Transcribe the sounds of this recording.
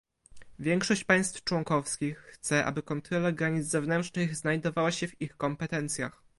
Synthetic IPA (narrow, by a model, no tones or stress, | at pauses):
vʲjɛŋkʂɔɕt͡ɕpaj̃st̪ft͡ʂwɔŋkɔfskʲixːt̪sɛʔa̰bɘkɔnt̪ɾɔlaɡɾaɲid̪zzɛvnɛntt͡ʂnɘɣznajd̪ɔvawaɕɛvixkɔmpɛt̪ɛnt̪sʲja̰x